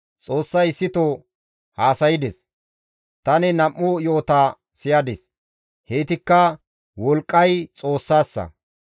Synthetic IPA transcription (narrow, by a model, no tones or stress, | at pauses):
t͡sʼo̞ːsːɐjɪsːɪt̪o | haːsɐjɪd̪ɛs | t̪ɐnɛnɐʔːojo̞ːt̪a | sɪjɐd̪ɛs | heːt̪ɪkːɐ | wɔlkʼːɐjt͡sʼo̞ːsːaːsːɐ̰